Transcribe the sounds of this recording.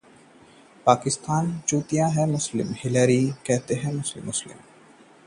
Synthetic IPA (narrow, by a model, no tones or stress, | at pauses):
paːkɪst̪aːnt͡ʃuːt̪ijãɦɛ̃mʊslɪ̰mhɪləːɾikɛɦt̪eɦɛ̃mʊslɪ̰mːʊslɪ̰m